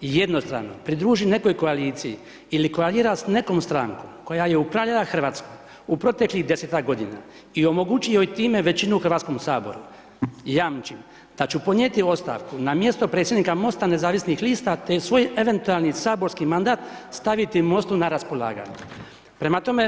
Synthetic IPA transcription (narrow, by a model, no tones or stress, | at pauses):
je̞d̪no̞st̪ɾa̰ːʋno̞̰pɾid̪ɾuːʒine̞ko̞jko̞aliːt̪siji | iliko̞aliːɾasne̞ko̞mst̪ɾa̰ːŋkomko̞jaje̞upɾaʋlʎelaxr̩ʋaːt̪skoj | upɾo̞t̪e̞kliɣd̪e̞seːt̪aɡo̞d̪ina̰ | io̞mo̞ɡut͡ɕijojt̪iːme̞ʋe̞t͡ɕinuuxrʋaːt̪sko̞msaːbo̞̰ɾṵ | jamt͡ʃim | d̪̥at͡ɕupo̞d̪nɲet̪io̞st̪a̰ʋkunamje̞st̪o̞pɾe̞t̪sjed̪nikamo̞st̪ane̞zaːʋisnixliːst̪at̪esʋo̞ːje̞ʋe̞nt̪ualˠnisaːbo̞ɾskimand̪aːt̪st̪aʋit̪imo̞st̪unaɾaspo̞lˠa̰ːɡa̰ːɲu | pɾe̞mat̪o̞me̞